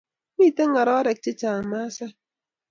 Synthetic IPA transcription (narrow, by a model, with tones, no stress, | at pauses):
mi˦˨te˦ŋa˨ɾɔ˦ɾɛ˨k̚t͡ʃɪ˦t͡ʃaː˨ŋ˨ma˦sa˦